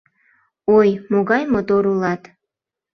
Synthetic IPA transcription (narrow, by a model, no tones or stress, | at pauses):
ojmoɣɑjmot̪oɾulɑt̪